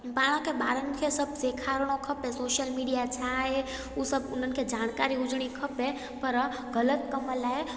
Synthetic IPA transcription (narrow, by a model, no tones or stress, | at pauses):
baɽ̃ãkʰebaɾənkʰesəbʱsekʰaɾɽ̃okʰəpesoʃjəlmiɖijat͡ʃʰae | usəbʊnənkʰed͡ʒankaɾiud͡ʒɽ̃ikʰəpe | pəɾ | ɡələt̪̚kəməlae